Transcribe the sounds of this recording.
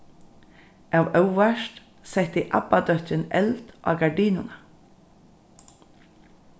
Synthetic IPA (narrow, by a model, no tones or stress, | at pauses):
aːwœwʋaʃt̪ | sɛht̪iʔa̰bad̪œht̪ɾɪnɛ̰lt̪ʔa̰ːɡaɹɖiːnʊna